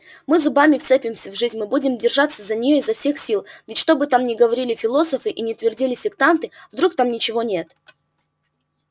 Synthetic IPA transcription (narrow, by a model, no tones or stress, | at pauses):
mɨzʊbamʲɪft̪sɛpʲɪmsʲəvʐɨzʲnʲmɨbudʲɪmdʲɪrʐat̪sːəzənʲɪjoɪzːɐfsʲe̞xsʲilˠvʲɪtʲʂt̪o̞bɨt̪amnʲɪɡəvɐɾʲilʲɪfʲɪlˠo̞səfɨʔinʲɪt̪vʲɪrdʲilʲɪsʲɪkt̪ant̪ɨvd̪ɾuk̚t̪amnʲɪt͡ɕɪvo̞nʲe̞t̪